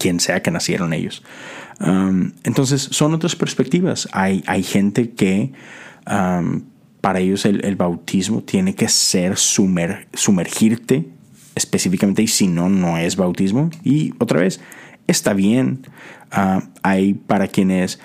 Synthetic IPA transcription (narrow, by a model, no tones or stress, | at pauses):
kje̞nse̞ake̞nasje̞̰ɾo̞ne̞̰ʝo̞̰s | ament̪o̞ns̬e̞sːo̞no̞t̪ɾaspe̞ɾspek̚t̪iβa̰sajʔa̰jxẽ̞nt̪e̞ke̞ | am | paɾae̞ʝo̞se̞lʔḛlβawt̪ʰizmo̰t̪je̞ne̞ke̞seɾsumeɾsume̞ɾxiɾt̪e̞ː | spe̞sifikament̪eisino̞no̞e̞zβawt̪izmo̞io̞t̪ɾa̰βe̞sest̪aβje̞n | aajpaɾakje̞ne̞s